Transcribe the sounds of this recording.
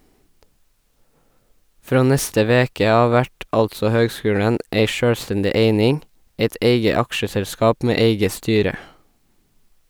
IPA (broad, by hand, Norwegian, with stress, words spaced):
ˈfɹoː ˈnɛstə ˈʋeːkə ˈɑː ˈʋæʈ ˈɑltsɔ ˈhøːɡˌskʉːɽən ˈʔeɪ ˈʃøːɽˌstɛndɪ ˈeɪnɪŋ ˈæɪt ˈʔeɪɡə ˈɑkʃəˌsɛlˌskɑːp ˈmeː ˈeɪɡə ˈstyːɾə